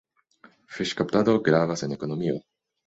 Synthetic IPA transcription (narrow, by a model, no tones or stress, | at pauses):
feʃkap̚t̪ad̪oɡɾavasenekonomio̰